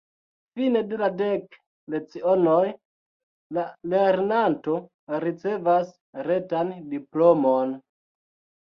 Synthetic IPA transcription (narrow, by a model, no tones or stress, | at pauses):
fine̞duladek | let͡sionoj | lale̞ɾnanto̞ | ɾit͡se̞vas | ɾe̞tandiplomon